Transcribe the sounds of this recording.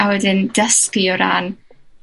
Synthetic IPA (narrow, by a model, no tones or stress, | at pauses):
awɛdɪndəskiɔɾa̰ːn